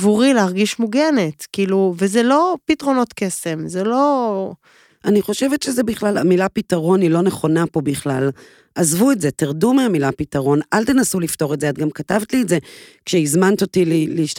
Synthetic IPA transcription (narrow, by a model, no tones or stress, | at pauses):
vuʁileaʁɡiʃmuɡenetkiːluvezelo̞pitʁo̞no̞tke̞se̞mzelo̞ | ʔaniχo̞ʃe̞vetʃezebiχlalamilapitaʁo̞nilo̞ne̞χo̞napo̞biχlal | ʔazvuetzetiʁdumeamilapitaʁo̞nʔaltenasulifto̞ʁetzeatɡamkatavt̪lietzekʃeizmant̪o̞tilileiʃ